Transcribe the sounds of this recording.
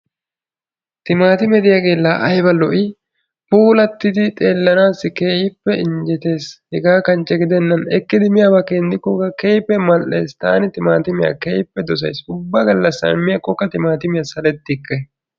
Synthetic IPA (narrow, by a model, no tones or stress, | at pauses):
t̪ɪmaːt̪ɪmɛd̪ɪjaɡe̞ːlːaʔɐjbɐlɔʔɪ | puːlɐt̪ːɪd̪ɪt̪ʼe̞ːlːɐnaːsːɪkeːjɪpːɛɪnd͡ʒɛt̪e̞ːshɛɡaːkɐnt͡ʃːɛɡɪd̪ɛnːɐnɛkːɪd̪ɪmɪjaːbɐkeːnd̪ɪkːɔɡɐkejpːɛmɐlʔe̞̰ːst̪a̰ːnɪt̪ɪmaːt̪ɪmɪja̰kejpːɛd̪ɔs̬ɐ̰jsʊbːɐɡɐlːɐsɐ̰ɾmɪjɐkʼɔkːɐt̪ɪmaːt̪ɪmɪjɐsɐlɛt̪ːɪkːɐ